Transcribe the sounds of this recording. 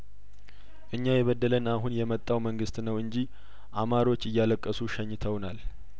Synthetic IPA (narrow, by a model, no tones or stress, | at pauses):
ʔɨɲːajɛβəd̪ːələnaɦunjɛmət̪ʼːawməŋɡɨst̪nəwɨɲd͡ʒi | ʔamaɾo̞t͡ʃːɨjːaləkʼːəsuʃəɲːɪt̪ʰəwnal